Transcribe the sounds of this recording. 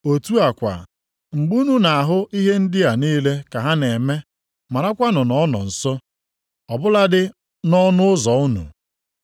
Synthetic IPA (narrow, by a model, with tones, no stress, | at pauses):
o˨tu˦a˨kʷa̰˨ | ŋ͡m̩˨ɡ͡bu˦nu˦na˨a˨ɦʊ˦i˦ɦe˦n̩˦dɪ˦a˨niː˦le˦ka˨ɦa˦ne˨me˦ | ma˨ɾa˦kʷa˦nʊ˨nɔ˨˦nɔ̰˨n̩˨sɔ˦ | ɔ˨bʊ˦la˦dɪ˦ | nɔ˦nʊ˦ʊ˦zɔ˨ʊ˦nṵ˨